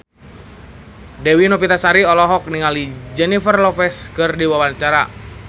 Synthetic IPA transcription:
dɛwinopit̪asaɾiɔlɔɦɔk̚niŋalid͡ʒɛnifərlɔfɛskərdiwawant͡ʃaɾa̰

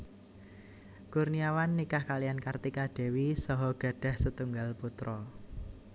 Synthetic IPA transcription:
kurniawanːikahkalijankart̪ikaɖ̥e̤wisɔɦɔɡ̥a̤ɖ̥a̤hsət̪uŋɡalput̪ɾɔ

